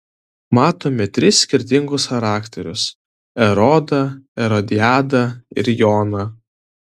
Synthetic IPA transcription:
mɑːt̪oːmʲɛt̪ʲɾʲɪsʲːkʲɪɾʲt̪ʲɪŋɡʊsxɐɾɑːkt̪ʲɛɾʲʊs | ɛɾɔd̪ɐɛɾɔd̪ʲɪjæːd̪ɐɪ̰ɾjɔːnɐ

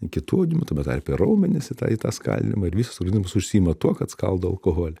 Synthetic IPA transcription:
kʲɪt̪uːɐʊd̪ʲɪmʲʊt̪ɐːmʲɛt̪ːrʲpʲerɐʊmʲɛnʲɪsɪt̪ɑ̰ɪt̪ɑːskɐ̰lʲnʲɪ̰mɐɪɾʋʲiːsosoɡɐnʲizmɐsʊʃʲsʲiiːmɐt̪uɔkɐt̪skɐ̰lˠd̪oɐlˠkoɦoːlʲɛ

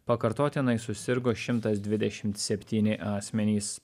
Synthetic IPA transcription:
pɐkɐɾt̪oːt̪ʲɪnɐɪsʊsʲɪɾɡoːʃʲɪmt̪ɐsd̪ʲʋʲɪd̪ʲɛʃʲɪmt̪sʲɛpʲt̪ʲiːnʲɪʔɑːsʲmʲɛnʲiːs

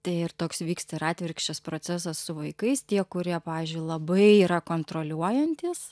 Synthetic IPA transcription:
t̪ɐɪɪrt̪oːksʋʲiːkst̪ɐɪɾɑːt̪ʲʋʲɪɾʲkʃʲt͡ʃʲɛspɾoːsʲæsɐssʊʋɐɪkɐɪst̪ʲiɛkʊɾʲiɛpɑːʋʲiːzʲd͡ʒʲʊɪlˠɐbɐɪiːɾɐkoːnt̪ɾoːlʲuɔjɛnʲt̪ʲiːs

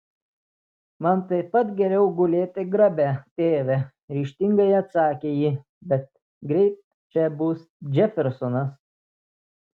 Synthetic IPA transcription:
mɐnt̪ɐɪpɐt̪ɡʲɛɾʲɛʊɡʊlʲeːt̪ʲɪɡɾɐbʲæt̪ʲeːʋʲɛ | ɾʲiːʃʲt̪ʲɪŋɡɐɪɐt̪sɑːkʲeːjiː | bʲɛt̪ | ɡɾʲɛɪt̪̚ | t͡ʃʲɛbuːs | d͡ʒʲɛfʲɛɾsɔnɐs

